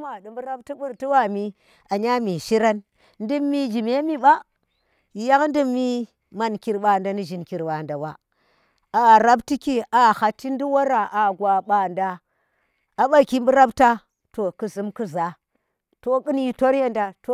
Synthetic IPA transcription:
ma˨dɨ˨mbu˦ɾa˦b̚ti˦ɓu˦ɾti˦wa˦mi˦ | a˨ɲa˦mi˨ʃi˦ɾa˦n | n˦di˦mːi˦d͡ʒi˨me˦mi˦ɓa˦˨ | ja˦kn˦di˦mːi˦ | ma˨nki˨ɾɓa˨nda˨ni˦ʒi˨nki˨ɾwa˨nda˨wa˨ | a˨ɾa˦bti˦ki˦a˨ha˨tːi˦n˦di˦wa˦ɾa˨ʔa˨ɡʷa˨ɓa˨ndaː˦˨ | ɓa˦ki˦mbu˦ɾa˦bta˦ | to˨ku˨zɨ˨˦mku˦za˨ | to˨kɨ˦nji˦to˦ɾje˦nda˨to˨

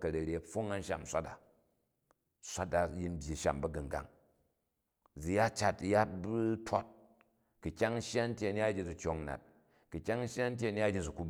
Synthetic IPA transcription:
kɐ˨ɾɐ˨ɾʲe˨ɐ˨ɸo˦ŋa˦n˦ʃa̰˨m˨sʷa˦ta̰˨ | sʷa˦ta˨ji˦n̩˦bʲji˨ʃa̰˨mbɐ˨ɡɐ˨ŋɡa̰˨ŋ | d͡zi˨ja˦t͡ʃa˨tja˦t̚bu˦tʰo˦t̚ | kɨ˨kʲa˦ŋ̩˦ʃa˦n̩˦tʲje˦ɐ˨n˦a˦d͡ʒʲi˦d͡zu˨t͡ʃʲo˦ŋ˦na̰˨t̚ | kɨ˨kʲːa˦ŋ̩˦ʃja˦n̩˦tʲe˦ɐ˨n˦a˦d͡ʒʲi˦d͡zu˨ku˦b

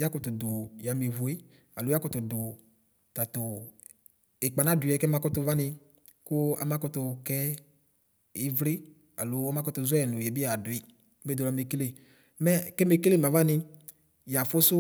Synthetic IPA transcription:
ja˦kɔ˧tʊ˨dʊ˨ja˨˦mi˨vu˨e˦ | a˨lʊ˨˦ja˦kɔ˦tʊ˨dʊ˨ | ta˨tʊ˨ | e˨k͡pa˨na˦˨dʊ˨ɛ˨kɛ˦ma˧kɔ˦tʊ˧va˦nɪ˧ | kʊ˦a̰˨ma˦kɔ˦tʊ˧kɛ˦ | i˦vɾi˦ | a̰˨lʊ˨˦ɔ˦ma˦kɔ˦tʊ˧zʊ˦ɛ˦˨nʊ˨jɛ˨bi˦a˨di˨˦ | me˦do˨la˨˧˦me˨˧ke˦le˦˨ | mɛ˦kɛ˦me˧ke˦le˦˨ma˨va˦nɪ˧ | ja˨fʊ˦sʊ˦

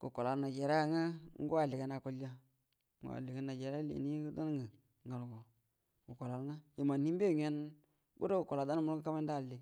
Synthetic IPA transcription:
ku˨ko˨la˨ɾna˨d͡ʒe˨ɾe˦a˦ŋa˦ŋ̩˦u˦a˨li˨ɡa˦na˨ku˦la˦ | ŋɡ̰a̰˨li˨ɡa˨na˨d͡ʒe˨ɾlḛ˨ni˦ɡu˦da˦n˦ŋɡə˨ | ŋɡa˨lɡo˨ | ɡu˨ko˨la˨ɾŋa˦je˨ma˨n˨hi˦m˦be˦˨ŋe˦n | bṵ˦do˦ku˨ko˨la˨da˦n˦mu˦ɡka˦me˦n˦da˦˨lːi˨˦

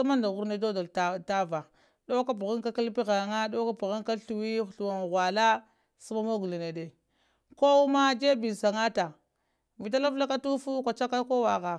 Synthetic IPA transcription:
a˦ma˦nda˨ɣu˦ɾna˦do˦da˨lta˦va˨ | ɗo˦ka˦p̬u˨ɣa˦ŋka˦ka˦lpi˦ɣa˨ŋa˦do˦ka˦pu˨ɣa˦ŋka˦ɬu˨wi˦˨ɬu˨wa˨ŋ˨ɣwa˨la˦ | su˦ma˦ma˦ɡu˨li˨ne˨de˨ | ko˦u˦ma˦d͡ʒe˦bi˨sa˨ŋa˦ta˨ | vi˨t̬a˦la˦vla˦ka˦tu˦fu˦kʷa˨t͡ʃa˦ka˦ko˦wa˨ɣa˨

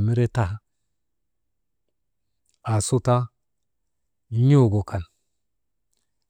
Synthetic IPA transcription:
mi˦ɾe˦ta˦ha˦ | a˨so˦ta˦ | ɲo˦˨ɡo˨ka˨n

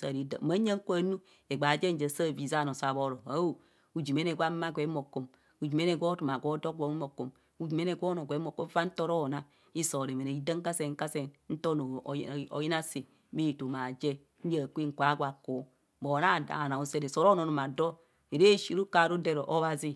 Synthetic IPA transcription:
sa̰˨ɾi˨da˨ma˨˦a˦ŋ̩˦kʷa˦˨˦nu˦ | e˨ɡ͡ba˨d͡ʒe˦n̩˦d͡ʒa˨sa˦˨vi˨za˦˨no˨sa˨βo˦ɾo˨a˨˦o˦ | u˨d͡ʒi˨me˦ne˨ɡʷa˦ma˦ɡʷe˨˦mo˨ko˨m | u˨d͡ʒi˨me˦ne˨ɡʷo˦tu˨m˨a˨ɡʷo˦do˦k̚o˨˦mi˦mo˨ko˨m | u˦d͡ʒi˨me˦ne˨ɡo˦no˨ɡʷe˨˦o˨ko˦m˦fa˦n̩˦to˦ɾo˦˨na˦ | i˦so˨ɾe˨me˨ne˨i˦da˦ŋ˦a˦se˨ŋ̩˦ka˦se˨n˦n̩˦to˦no˨o̰˨ji˦na˦si˨˦ | me˦˨to˨ma˨d͡ʒe˦ | n̩˦d͡ʒa˦˨kʷi˦ŋ̩˨kʷa˨˦ɡʷa˨ko˨˦ | bo˨na˦˨da̰˨na˨o˨se˦ɾe˨so˨˦ɾo˦no˨no˨ma˨do˦ | e˨ɾe˦˨ʃi˦ɾu˦ka˨ɾo˦de˦ɾo˨ʔo˦βa˨zi˦

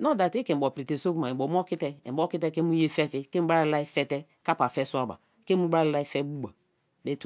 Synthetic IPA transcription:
no˦da˨ti˦ke˨bɔ˨pɾi˨te˨so˦bu˦ma˨e˨bo˨m˦ɔ˦ki˦tɛ˦e˨bɔ˦ki˦tɛ˦ke˦mu˦je˦fɛ˦fi˦ke˦m̩˦ba˦lla˦i˦fɛ˦tɛ˦ | ka˦pa˨fɛ˦su˦a˦ba̰˨ | ke˦mu˦ba˦lla˦i˦fɛ˦bu˦ɡ͡ba˨ | be˦t

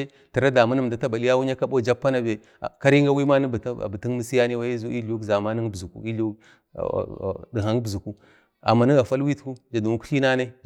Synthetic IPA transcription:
e˦ | ti˨ɾa˦da˨ma˦ni˦m˨da˨ta˦ba˨li˦ja˦wu˦ɲa˦ka˦ɓo˦˨d͡ʒa˦pːa˦na˦bḛ˨ | ka˦ɾi˦ŋɡa˦wi˦ma˦n˦btbi˨ti˦nmi˦si˦ja˦ni˦wa˦i˦zu˦i˦lu˦kza˨ma˦ni˦ŋ˦bu˨kṵ˦i˦lu˦k | di˨ɦa˨ŋ˦bu˨ku˦ | a̰˨mːa˨ni˦ɡa˨fa˦lwi˦tku˦d͡ʒa˨du˨u˦ku̥˦ɬi˦na˦na˦

